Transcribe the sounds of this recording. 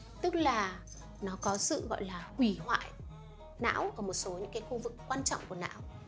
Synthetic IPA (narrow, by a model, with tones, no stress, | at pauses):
t̪ɨ˦˥k̚laː˨˩ | nɔ˨˦kɔ˨˦sɨ̰˧˨ɣɔ̰˧˨jlaː˨˩hwi˧˩hwa̰ː˧˨j | na̰ː˧˥wʔəː˧˩mo˨˩t̚so˨˦ɲɨ̰˧˥ŋkaː˨˦jxu˧vɨ˨˩kːwaː˧nt͡ɕɔ̰˧˨wŋ͡mku˧˩əna̰ː˧˥w